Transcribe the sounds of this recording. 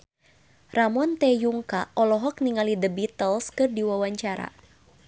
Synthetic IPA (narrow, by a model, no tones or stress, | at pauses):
ramɔnt̪ɛjuŋkaʔɔlɔɦɔk̚niŋalidəbit̪əlskɨrdiwawaɲt͡ʃaɾa̰